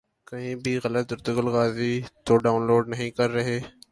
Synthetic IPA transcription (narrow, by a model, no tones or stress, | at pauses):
kɐɦĩbʱiɣɐlət̪̚ʊɾt̪ɪɡəlɣaːzit̪oɖaːʊnloːɖnɐɦĩkɐɾːɐɦeː